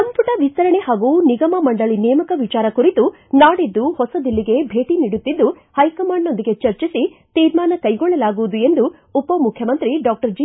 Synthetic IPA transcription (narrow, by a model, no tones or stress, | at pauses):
sɐmpuʈɐʋist̪ɐɾɐɳeɦaːɡuːniɡɐmɐmɐɳɖɐɭinɛːmɐkɐʋit͡ʃaːɾɐkuɾit̪u | naːɽid̪ːuhɔsɐd̪ilːiɡe̞bʱe̞ːʈiniːɽut̪ːid̪ːu | hɐjkɐmaːɳno̞nd̪iɡe̞t͡ʃɐɾt͡ʃisit̪iːɾmaːnɐkɐjɡɔɭːɐlaːɡuʋud̪ue̞nd̪uː | pɐmukʰjɐmɐnt̪ɾiɖaːk̚ʈɐɾd͡ʒiː